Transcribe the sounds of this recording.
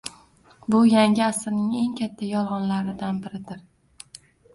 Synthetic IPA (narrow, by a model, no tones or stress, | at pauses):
bʊjaŋɡʲɪasɾnɪŋe̞ŋkʲʰat̪ʰːajɒlˠʁɒnlaɾɪd̪anbɪɾɪd̪ɪɾ